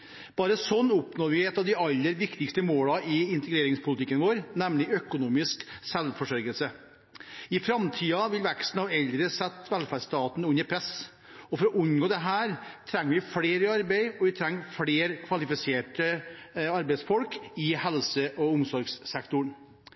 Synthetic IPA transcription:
b̥ɑːɾəsɔnːʊpnoːʋɪɛt̪ːɑʋd̪ɪɑlːəɾʋɪkt̪ɪkst̪əmoːlɑɪɪnt̪əɡɾeːɾɪŋspʰʊlɪt̪ɪkːənʋoːɾnɛmlɪœkʊnuːmɪsksɛlfɔʂɔɾɡəlsə | ɪfɾɑmt̪ʰiːɑʋɪlʋɛkst̪n̩ɑʋɛld̪ɾəsɛt̪ːʋɛlfæːɖst̪ɑːt̪n̩ʉnːəɾpʰɾɛs | ɔfɔɾɔʔʉnɡoːd̪ɛɦæːɾt̪ʰɾɛŋːʋɪfleːɾəɑɾbæɪɔʋɪt̪ʰɾɛŋːfɽeːɾkʰʋɑlɪfɪseːʈəɑɾbɛɪd̪sfɔlkɪhɛlsəʔɔʊmsɔɾɡsːɛkt̪ʊɳ

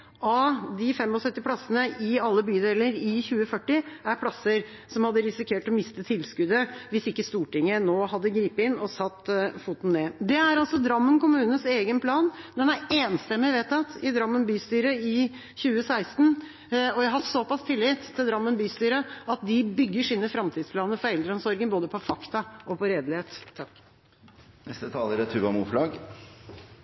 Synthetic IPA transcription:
ɑd̪ɪfɛmːɔsœt̪ːɪpʰlɑsənəʔɪɑlːəbyːd̪eːləɾɪçʉːəfœʈːɪæɾpʰlɑsəɾ | sɔmhɑd̪ːəɾɪsɪkʰeːʈɔmɪst̪ət̪ʰɪlskʉd̪əʋɪsɪkːəst̪uːʈɪŋːənoːɦɑd̪ːəɡɾiːpəɪnːɔsɑt̪ːfuːt̪n̩neːd̪ɛæɾɑlsɔd̪ɾɑmːənkʊmʉːnən̩seːɡənpʰlɑːnd̪ɛnæɾeːnst̪ɛmːɪʋeːt̪ɑt̪ɪd̪ɾɑmːənbyːst̪yːɾəɪ | çʉːəsæɪst̪n̩ | ɔjæɦɑsɔpɑst̪ʰɪlːɪːt̪ʰːɪld̪ɾɑmːənbyːst̪yːɾəɑt̪̚d̪ɪbʏɡːəʂiːnəfɾɑmt̪ʰiːd̪spʰlɑːnəɾfɔɾɛld̪ɾəɔmsɔɾɡənboːd̪əpʰɔfɑkt̪ɑʔɔpɔɾeːd̪lɪheːt̪ʰːɑk | nɛst̪ət̪ʰɑːləɾət̪ʰʉːbɑmuːflɑːɡ

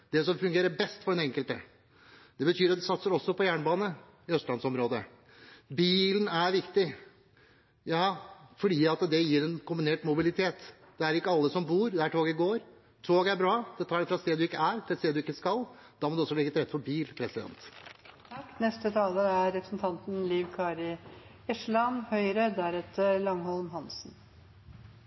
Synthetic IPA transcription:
d̪ɛsɔmfʉŋɡeːɾəɾbɛst̪fɔɖɛnɛŋkəlt̪ə̰ | d̪ɛbət̪ʰyːɾɑt̪̚d̪ɛsɑt̪səɾɔsːɔpɔjæːɳəbɑːnə | ɪœst̪lɑnsɔmɾoːd̪ə | biːlənæɾʋɪkt̪ɪ | jɑːfɔɖiːɑt̪d̪ɛjiːɾɛnkʰʊmbɪneːʈmʊbɪlɪt̪ʰeːt̪ | d̪ɛæɾɪkːəɑlːəsɔmbuːɾd̪ɛæʈʰoːɡəɡoːɾ | t̪ʰoːɡæɾbɾɑːd̪̥ɛt̪ʰɑːɖɛfɾɑst̪eːd̪d̪ʉɪkːəæɾt̪ʰɪlseːd̪d̪ʉɪkːəskɑld̪̥ɑːmɔd̪ʉɔsːɔlɛɡət̪ɾɛt̪fɔɾbiːlpʰɾɛsɪd̪ɛ̰nt̪ | kːnɛst̪ət̪ʰɑːləæɾɾɛpɾəsn̩t̪ʰɑnt̪nliːʋkʰɑːɾɪ | ɛʂlɑmhœʏɾəd̪æɾɛt̪əlɑŋhɔlmɦɑnsn

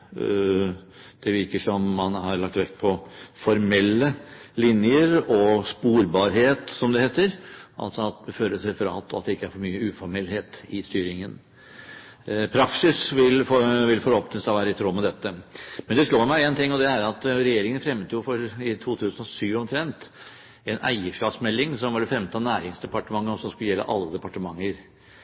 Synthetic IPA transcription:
d̪̥ɛʋɪɾkəʂɔmːɑnhɑɾɭɑk̚t̪ʋɛkt̪pʰɔfɔɾmɛlːəlɪnjəɾɔspuːɾbɑːɾɦeːt̪sɔmd̪ɛheːt̪əɾʔɑ̰lt̪sɔɑt̪̚d̪ɛføləsɛfɔɾɑ̰ːlt̪ːɔɑt̪̚d̪ɛɪkːəæɾfɔɾmyːəʉːfɔɾmɛlheːt̪ɪst̪yːɾɪŋən | pʰɾɑksɪsʋɪlfʋɪlfɔɾoːpənəst̪ɑʋæːɾəɪt̪ʰɾoːmɛd̪ɛt̪ːəmɛnd̪ɛʂɭoːɾmæɪeːnt̪ʰɪŋːɔd̪ɛæɾɑt̪ɾɛjeːɾɪŋənfɾɛmt̪əjʊfɔɾɪt̪ʰuːt̪ʰʉːsənɔʂyːʋɔmt̪ʰɾɛnt̪ | ɛnæ̰ɪəʂkɑːpsmɛlːɪŋsɔmʋɑlfɾɛmt̪ʰɑnæːɾɪŋsd̪ɛpɑʈəmɑŋːəɔsɔmskʉləjɛlːʔə̰ʔɑ̰lːəd̪ɛpɑʈəmɑŋːəɾ

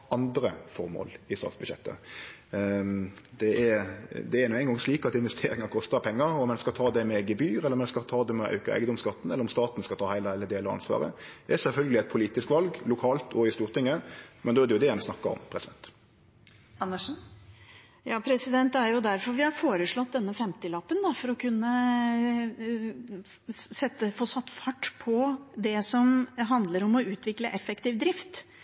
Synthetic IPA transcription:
ɑnd̪ɾəfɔʁmo̰ːlɪst̪ɑ̰ːt̪sbʉjɛ̰t̪ːə̰ | d̪̥ɛʔɛɾd̪ɛɛɾnuːæɪŋɡɑŋsɭiːkɑt̪ɪnʋɛst̪ʰeːɾɪŋɑkʰɔst̪ɑpʰɛŋːəɔmɛnskɑlt̪ʰɑːd̪ɛmɛɡəbyːɾɛlːəɾmɛnskɑlt̪ʰɑːd̪ɛmɛʔɑ̰ʉkəɾæ̰ɪɡəd̪ɔmskɑt̪ːn̩ɛlːəɾɔmst̪ɑːt̪nskɑlt̪ʰɑːhæɪlæɪləd̪eːlɔɾɑ̰nsʋɑ̰ːʁə̰ɛsɛlfœlɡəlɪɛt̪̚pʰʊliːt̪ɪskʋɑlɡlʊkʰɑːlt̪ʰɔɪst̪uːʁt̪ʰɪŋːəmʔɛnd̪oːɛdɛʊd̪ɛmsnɑkːəɾɔ̰mpʰɾɛsɪd̪ɛnt̪ | ɑnːəʂn̩ | jɑːpʰɾɛsɪd̪ɛnt̪æɾjʊd̪æɾfɔɾʋɪhɑɾfoːɾəʂɭɔt̪̚d̪ɛnːəfɛmt̪ɪlɑpːənd̪ɑfɔɾɔkʰʉnːə | sɛt̪ːəfoːsɑt̪ːfɑʈːpʰɔd̪ɛsɔmɦɑnd̪ləɾɔmɔʉːt̪ʋɪkləʔɛfːɛkt̪iːʋd̪ɾɪft̪

